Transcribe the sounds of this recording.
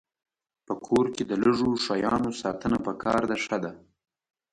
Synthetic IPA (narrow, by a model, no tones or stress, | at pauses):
pəkʰoɾked̪ələʐoʂajɑnosɑt̪ənapəkʰɑɾd̪aʂad̪a